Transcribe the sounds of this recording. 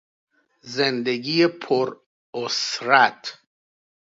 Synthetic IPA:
zend̪eɡijepʰoɾ | osɾæt̪ʰ

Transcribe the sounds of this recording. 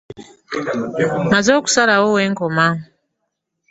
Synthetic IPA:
mazoːku̥salawoweːŋkoma

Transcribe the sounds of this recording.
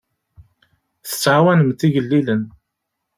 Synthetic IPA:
θə̥t͡sːʕawænəmt̪iʝəlːilən

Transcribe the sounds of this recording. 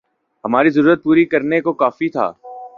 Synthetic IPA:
ɦɐmaːɾizɐɾuːɾət̪̚puːɾikɐɾnekokaːfit̪ʰa̰ː

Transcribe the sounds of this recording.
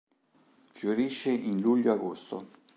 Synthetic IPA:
fjoɾiʃːeʔinluʎːoaɡost̪o̰

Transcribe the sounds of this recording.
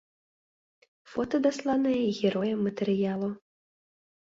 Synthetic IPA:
fɔt̪ɐd̪aslˠanɨjɛɣʲɛɾɔjɛmːɐt̪ɛɾɨjalˠu

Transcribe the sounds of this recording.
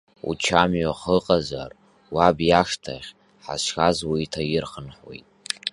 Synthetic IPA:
ṵt͡ʃʰamɥaχəqʼaza̰r | wabjaʂtʰa̰χʲ | ħa̰ʃxazwaitʰajɪrχənħwḛjtʼ

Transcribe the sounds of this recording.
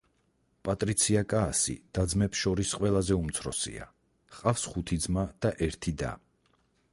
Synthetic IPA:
pʼat̪ʼɾit̪sʰiakʼaːsḭd̪̥ad̪zmɛpsʃɔɾisqʼwɛlˠazɛumt̪sʰɾɔ̰sḭa̰ | qʼafsχut̪ʰid̪zmad̪̥aʔɛɾt̪ʰid̪a̰

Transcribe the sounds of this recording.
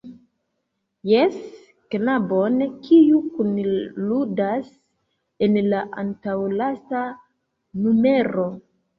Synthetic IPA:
jes | knabonkʰijukunludas | e̞nlaʔa̰ntawlasta | nume̞ɾo̞

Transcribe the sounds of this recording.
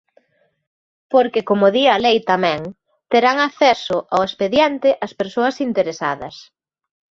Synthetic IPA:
poɾkɪkomʊðiɐlejt̪amɛ̃ŋ | t̪eɾaŋaθɛsʊʔawespeðjant̪ɪʔɐspeɾsoɐsint̪eɾesaðɐ̰s

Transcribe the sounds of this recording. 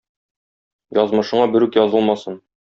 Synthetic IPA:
jɒzmɤ̆ʃɤ̆ɴɑbɘ̆ɾʉkjɒzɤlˠmɑsɤn

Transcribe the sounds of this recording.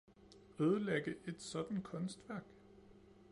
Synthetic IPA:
øːð̞ˠəleɡ̥əʔe̝d̥sɒ̽d̥n̩kʰɔ̽nsd̥ʋæɐ̰ɡ̥

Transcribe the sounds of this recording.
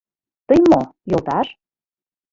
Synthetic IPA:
t̪ɤjmojolt̪ɑʃ

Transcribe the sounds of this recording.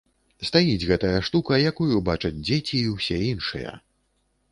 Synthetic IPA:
st̪ajid͡zʲɣɛt̪ɐjɐʂt̪ukɐjakujubat͡ʂɐd͡zʲd͡zʲet͡sʲiːwsʲɛinʂɨ̰jɐ̰

